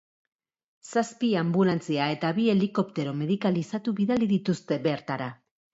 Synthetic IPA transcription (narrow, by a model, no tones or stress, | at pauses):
saspiambulant͡siae̞t̪aβie̞liko̞pt̪e̞ɾo̞me̞ðikalisat̪uβiðaliðit̪ust̪e̞βe̞ɾt̪aɾa